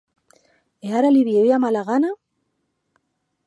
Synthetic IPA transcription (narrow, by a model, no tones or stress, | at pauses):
eaɾaliβjejamalaɣana